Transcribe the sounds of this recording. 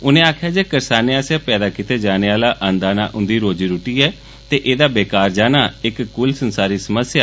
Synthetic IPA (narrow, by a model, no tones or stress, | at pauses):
ʊnẽːaːkʰjaːd͡ʒeːkəɾsaːneaːsjaːpɛːd̪aːkit̪eːd͡ʒaːneːaːlaːʔənd̪aːna̰ːʔʊ̃nd̪iːɾoːd͡ʒiːɾʊʈiːɛː | t̪eːʔeːd̪aːbeːkaːɾd͡ʒaːnaːɪkːʊlsənsaːɾiːsəməsjaː